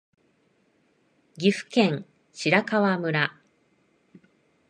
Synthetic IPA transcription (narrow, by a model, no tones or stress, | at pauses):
ɡʲiɸɯ̟̥kẽ̞ŋ | ɕiɾakaβamɯ̟ɾa